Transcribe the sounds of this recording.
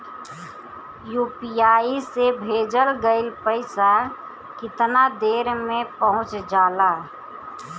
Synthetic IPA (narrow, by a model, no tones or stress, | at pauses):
juːpijaːisebʱeːd͡ʒəlɡəɪlpəɪsa | kɪt̪nad̪eːɾmẽpəɦʊ̃t͡ʃd͡ʒaːlaː